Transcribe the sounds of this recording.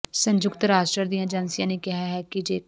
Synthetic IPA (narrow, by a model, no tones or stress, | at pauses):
sə̃ɲd͡ʒʊkt̪ɾaːsʈɾəɾd̪ijãd͡ʒɐnsijãnekɪɦaɦɛkid͡ʒeː